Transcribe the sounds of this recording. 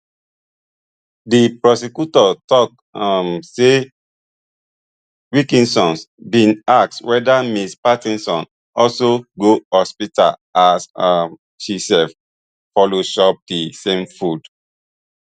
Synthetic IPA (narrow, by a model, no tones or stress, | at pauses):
dipɹɔsikjutɔtɔk | amse | ɹikĩnsɔ̃nsbĩnak̚swɛdamispatĩnsɔ̃n | ɔlsoɡohɔspita̰lasa | ʃisɛf | fɔloʃɔp̚disẽmfud